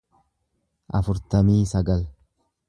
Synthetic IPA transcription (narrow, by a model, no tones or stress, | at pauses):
ʔɐ̰fʊɾt̪ɐmiːsɐɡɐl